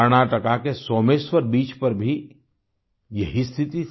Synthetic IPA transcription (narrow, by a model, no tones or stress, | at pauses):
əɾɽ̃aːʈəkakesoːmeːswəɾbiːt͡ʃpɐɾbʱi | jɐɦist̪ʰɪt̪i